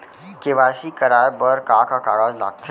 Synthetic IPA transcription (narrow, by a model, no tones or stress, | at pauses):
keʋaːʃikɐɾaːbəɾkaːkakaːɽala̰ːɡ̚t̪ʰ